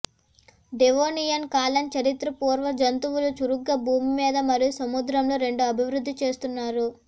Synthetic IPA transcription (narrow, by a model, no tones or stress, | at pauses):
ɖeʋoːnijɐnkaːlɐnt͡ʃɐɾit̪ɾɐpuːɾʋɐd͡ʒɐnt̪uwulut͡ʃuɾuɡːɐbʱuːmimiːd̪ɐmɐɾijusɐmud̪ɾɐmloːɾe̞ɳɖuɐbʱiʋɾud̪ʱːit͡ʃeːst̪unːaːɾu